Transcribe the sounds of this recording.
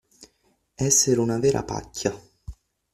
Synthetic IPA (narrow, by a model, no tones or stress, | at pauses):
ɛsːeɾunaveːɾʔa̰pa̰kʰʲːa